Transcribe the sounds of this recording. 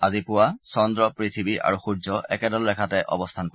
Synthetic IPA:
azipʊwasɔndɹɔpɹitʰibiʔa̰ɹuxuzɔʔɛ̰kɛdɔlɹɛkʰatɛʔɔ̰bɔstʰanko

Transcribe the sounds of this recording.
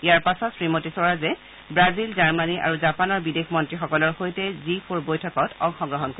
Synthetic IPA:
ijaɹpasɔtsɹimotisɔɹazɛ | bɹazilzaɹmaniʔa̰ɹuzapanɔɹbidekʰmɔntɹixɔkɔlɔɹxojtɛzipʰuɹbojtʰɔkɔtɔŋxɔ̃ŋɡɹɔɦɔnko

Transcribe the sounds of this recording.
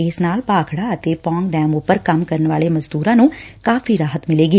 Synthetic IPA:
ɪsnaːlpaːkʰɽaːət̪eːpɔ̃ːŋɡɖɛːmʊpəɾkəmkəɾənʋaːleːməzd̪uːɾãːnũːkaːfʰiːɾaːɦət̪mɪleːɡiː

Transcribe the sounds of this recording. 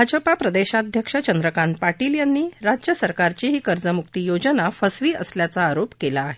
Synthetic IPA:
ad͡ʑəpapɾəd̪eɕad̪ʱjəkʂət͡ɕənd̪ɾəkanpaʈiːljanːiːɾad͡ʑjəsəɾkaɾt͡ɕiɦiːkəɾd͡zəmuk̚t̪iːjod͡ʑənafəsʋiːəsljat͡saːɾopkelaːɦe

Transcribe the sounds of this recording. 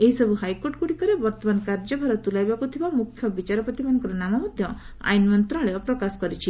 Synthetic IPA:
eɦisɔbʱuɦajkoɾʈkuɽikɔɾebɔɾt̪ɔmankaɾd͡ʒɔbʱaɾɔt̪ulajbakut̪ʰibamukʰːjɔbit͡ʃaɾɔpɔt̪imanɔ̃ŋkɔɾɔnamamɔd̪ʱjɔ | a̰jnmɔnt̪ɾɔ̃ɭeɔpɾɔkasɔ̥kɔɾit͡ʃʰi

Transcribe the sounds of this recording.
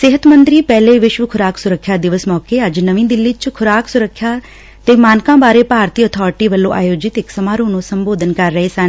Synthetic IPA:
sɪɦət̪mənt̪ɾiːpɛːleːʋɪʃʋəkʰʊɾaːksʊɾəkʰːjaːd̪ɪʋəsmɔːkeːəd͡ʒnəʋĩːd̪ɪlːiːt͡ʃkʰʊɾaːksʊɾəkʰːjaː | t̪eːmaːnkãːbaːɾeːpaːɾt̪iːɔːt̪ʰɔːɾɪʈiːʋəlːõːʔa̰ːjoːd͡ʒɪt̪ɪksəmaːɾõːnũːsəmboːd̪ənkəɾːəɦeːsən

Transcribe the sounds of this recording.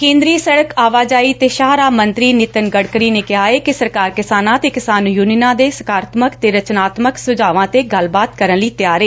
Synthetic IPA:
kẽːnd̪ɾiːsəɽəkaːʋaːd͡ʒaːiːt̪eːʃaːɾaːmənt̪ɾiːnɪt̪ənɡəɽkɾiːneːkɪɦaːeːkɪsəɾkaːɾkɪsaːnãːt̪eːkɪsaːnjuːninãːd̪eːsə̥kaːɾt̪məkt̪eːɾət͡ʃnaːt̪məksʊd͡ʒaːʋãːt̪eːɡəlbaːt̪kəɾənliːt̪ɪjaːɾeː

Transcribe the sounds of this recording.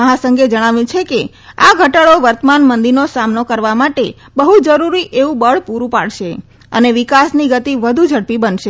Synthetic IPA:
əɦasəŋɡed͡ʒəɽ̃aʋjũt͡ʃʰeke | aɡʱəʈaɭoʋəɾt̪əmanmənd̪iɾnosamnokəɾʋamaʈe | bəɦud͡ʒəɾuɾiʔeʋũbəɭpuɾũpa̰ɭʃe | ə̰neʋɪkasniɡət̪iʋəd̪ʱud͡ʒʱəɽpibənʃe

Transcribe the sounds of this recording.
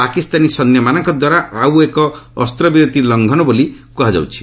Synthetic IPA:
pakist̪anisɔnjɔmanɔŋkɔd̪waɾaʔawekɔːst̪ɾɔbiɾot̪ilɔŋɡʱɔnɔbolikuɦad͡ʒa̰wt͡ʃʰi̥

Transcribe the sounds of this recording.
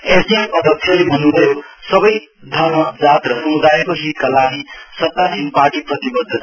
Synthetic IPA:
esianpʌd̪ʱʌksʰjalebʱʌnːubʱʌjo | sʌbʌj | d̪ʱʌrmʌd͡zat̪rʌsʌmud̪ajekoɦit̪̚kalaɡisʌt̪ːasinparʈiprʌt̪ibʌd̪ʱːʌt̪a

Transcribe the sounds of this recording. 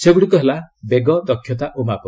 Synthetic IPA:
seɡuɽikɔɦelabeɡɔd̪ɔkʰːjɔt̪aʔomapɔ

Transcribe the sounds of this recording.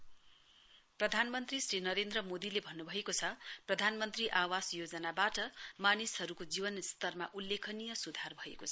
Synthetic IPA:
prʌd̪ʱanmʌnt̪risrinʌɾend̪rʌmod̪ilebʱʌnːubʱʌekot͡sʰʌprʌd̪ʱanmʌnt̪riʔawasjod͡zʌnabaʈʌmanisɦʌɾukod͡zibʌnst̪ʌrma̰ʔulːekʰʌnijʌsud̪ʱarbʱʌḛkot͡sʰʌ

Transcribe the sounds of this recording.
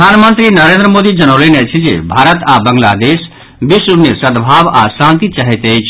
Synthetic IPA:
aːnmənt̪ɾinəɾẽːnd̪ɾəmoːd̪id͡ʒɐnolinet͡ʃʰid͡ʒḛbʱaːɾət̪abəŋɡlaːd̪eːs | bisuɾnjəsəd̪bʱaːʋa̰sãːnt̪it͡ʃaɦɛt̪et͡ʃʰ

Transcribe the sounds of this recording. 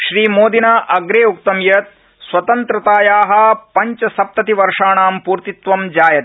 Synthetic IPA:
ʃɾiːmoːd̪inaːʔɐɡɾeːuk̚t̪ɐmjɐt̪̚ | sʋɐt̪ɐnt̪ɾɐt̪aːjaːɦɐ̆pɐɲt͡ʃɐsɐp̚t̪ɐt̪iʋɐɾʂaːɳaːmpuːɾt̪it̪ʋɐmd͡ʒaːjɐt̪

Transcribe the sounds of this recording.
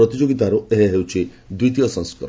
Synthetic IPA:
ɾɔt̪id͡ʒoɡit̪aɾueɦeɦewt͡ʃʰi | d̪wijt̪ijɔsɔ̃ŋskɔ̰ɾ

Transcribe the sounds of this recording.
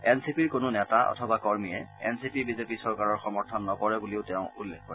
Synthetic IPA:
ɛnsipiɹkonʊnɛtaʔɔ̰tʰɔbakɔɹmiɛɛ̰nsipibizepisɔɹkaɹɔɹxɔmɔɹtʰɔnːɔkɔɹɛbuliʊtɛʊ̃ulːek̚ʰkɔɹ

